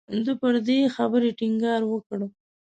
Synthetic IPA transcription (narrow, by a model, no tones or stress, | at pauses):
d̪əpəɾd̪exabəɾeʈiŋɡɑɾwəkɽə